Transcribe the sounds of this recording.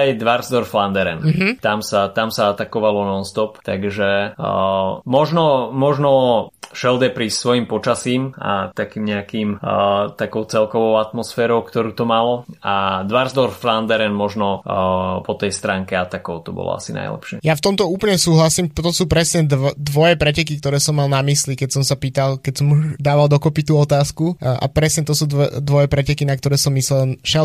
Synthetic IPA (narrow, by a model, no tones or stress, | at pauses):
ajd̪ʋaɾzd̪ɔɾfland̪ɛɾɛnɦ̩t̪amsat̪amsaat̪akɔʋalɔnɔnst̪ɔpt̪aɡʒɛ | mɔʒnɔmɔʒnɔʃɛld̪ɛpɾiːssʋɔjimpɔt͡ʃasiːma̰t̪akiːmɲɛakiːmt̪akɔʊt͡sɛlkɔʋɔʊat̪mɔsfɛːɾɔʊkt̪ɔɾuːt̪ɔmalɔad̪ʋaɾzd̪ɔɾfland̪ɛɾɛnmɔʒnɔpɔt̪ɛjst̪ɾaːŋkɛat̪akɔʊt̪ɔbɔ̰lɔ̰a̰sina̰jlɛ̰pʃɪɛjaft̪ɔmt̪ɔuːpl̩ɲɛsuːɦlasiːmt̪ɔsuːpɾɛsɲɛd̪d̪ʋɔjɛpɾɛcɛkik̚t̪ɔɾɛːsɔmːalnamislikɛcsɔmsapiːt̪alkɛcsɔmud̪aːʋald̪ɔkɔpit̪uːɔt̪aːskuʔa̰pɾɛsɲɛt̪ɔsuːd̪d̪ʋɔjɛpɾɛcɛkinak̚t̪ɔɾɛːsɔmːislɛlnʃɛ